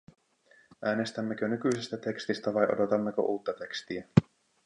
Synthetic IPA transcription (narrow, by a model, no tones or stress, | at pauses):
ʔæːnest̪æmːe̞k̟ønykyjsist̪æt̪e̞kst̪ist̪æʋɑjʔo̞̰do̞t̪ɑmːe̞kø̰ʔuːt̪ːɑt̪e̞kst̪iæ